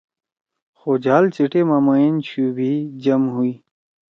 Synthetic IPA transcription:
xoːd͡ʑʱaːlt͡ɕiʈemãːmaent͡ɕʰuːbid͡ʑɐmɦuiː

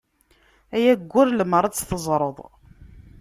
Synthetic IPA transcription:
æjæɡʷːʊɾlməɾˤɑt͡sːθəzˤɾˤəðˤ

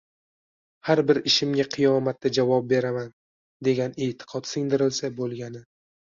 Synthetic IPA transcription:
haɾbɪɾɪʃɪmɡʲaqʰɨjɒmat̪ːad͡ʒavɒp̚be̞ɾaman | d̪e̞ɡʲaneːt̪ʰɪ̥qʰɒt̪sɪŋd̪ɪɾɪlsabolˠɡʲanɪ

